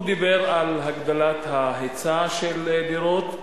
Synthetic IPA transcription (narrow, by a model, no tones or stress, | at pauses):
d̪ibe̞ʁalɦaɡd̪alat̪haɦet͡saʃeled̪iʁot̪